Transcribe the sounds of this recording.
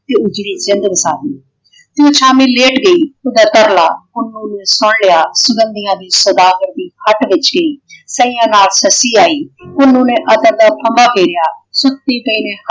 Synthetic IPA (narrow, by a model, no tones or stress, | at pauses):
t̪eːʊd͡ʒɾiːd͡ʒɪ̃nd̪bəsaːd̪iː | t̪eõːt͡ʃʰaːmĩːleːʈɡəiːʊd̪aːt̪əɾla̰ːʊnːũːnẽːsʊɽlɪjaːsʊɡə̃nd̪ɪjãːd̪iːsəd̪aːɡəɾd̪iːhʰəʈʋɪt͡ʃɡəiːsəĩːãːnaːlsəsiːaːiːʊnːũːnẽːʔəd̪əɾd̪aːpʰəmbaːpʰeːɾɪjaːsʊt̪iːp̪əineː